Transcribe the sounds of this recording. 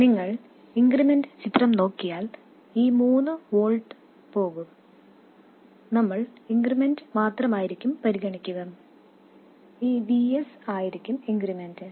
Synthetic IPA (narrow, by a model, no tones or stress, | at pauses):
niŋːɐɭ | iŋɡrimendɨt͡ɕit̪rɐmno̞ːkːijaːl | iːmuːnːɨʋo̞ːɭɖɨ | po̞ːɣum | nɐmːɐɭiŋɡrime̞ndɨmaːt̪rɐmaːjiɾikʲːumpɐɾiɣɐɳikʲːuɣɐn | iːbiesaːjiɾikʲːumiŋɡrimendɨ